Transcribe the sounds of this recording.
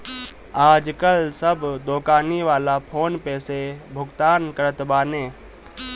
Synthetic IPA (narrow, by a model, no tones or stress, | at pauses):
aːd͡ʒkəlsəbd̪oːkaːniʋaːlapʰoːnpɛːsebʱʊɡt̪aːnkəɾət̪baːneː